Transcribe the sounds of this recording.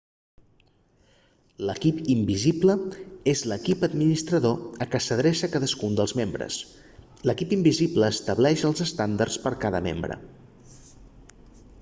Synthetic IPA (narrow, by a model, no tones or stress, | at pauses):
ləkipimbizibləezləkipəd̪minist̪ɾəðoəkəsəðɾɛsəkaðəskund̪əlˠzmembɾə̰s | ləkipimbizibləːst̪əβlɛʃəlˠzəst̪and̪əɾspəɾkaðə̰mḛmbɾə̰